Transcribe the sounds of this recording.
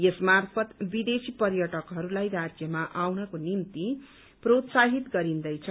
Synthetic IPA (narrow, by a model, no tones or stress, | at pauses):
jesmarpʰʌt̪bid̪esipʌrjʌʈʌkɦʌɾulajrad͡zjʌmaʔawnʌkonimt̪i | prot̪saɦit̪ɡʌɾind̪ʌjt͡sʰʌ